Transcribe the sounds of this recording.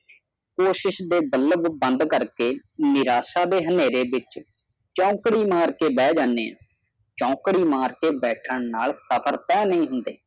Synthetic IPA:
koːʃɪʃd̪eːbələbbənd̪kəɾkeː | nɪɾaːsaːd̪eːɦəneːɾeːbɪt͡ʃ | t͡ʃɔ̃ːkɽiːmaːɾkeːbɛːd͡ʒaːnḛː | t͡ʃɔ̃ːkɽiːmaːɾkeːbɛːʈʰəɳnaːlsəpʰəɾt̪ɛːnəĩːɦʊnd̪eː

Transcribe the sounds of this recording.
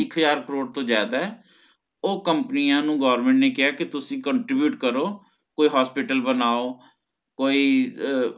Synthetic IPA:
ɪkʰɦəzaːɾkəɾoːɽt̪õːzjaːd̪aːɛː | oːkəmpnijãːnũːɡɔːɾmẽːɳʈneːkɪaːkɪt̪ʊsĩːkəɳʈɾɪbjuːʈkəɾoː | koːiːɦaːspɪʈəlbənaːoː | koːiː

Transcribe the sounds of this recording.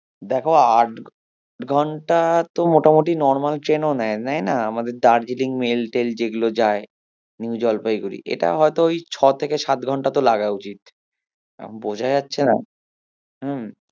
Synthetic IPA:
d̪ɛkʰoaʈ | ʈɡʱɔɳʈat̪omoʈamoʈinɔɾmalʈɾenonɛnɛjnaamad̪eɾd̪aɾd͡ʑiliŋmelʈeld͡ʑeɡulod͡ʑae | niwd͡ʑɔlpajɡuɾḭʔḛʈa̰ɦɔet̪oojt͡ɕʰɔt̪ʰekeʃat̪ɡʱɔɳʈat̪olaɡaut͡ɕit̪ | ɛ̰bod͡ʑʱaeatːɕʰena̰ | ɦ̩

